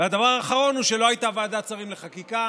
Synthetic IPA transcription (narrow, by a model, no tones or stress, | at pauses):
vead̪avaʁaːχaʁo̞nuʃe̞lo̞ajtavaːd̪at͡saʁimleχakika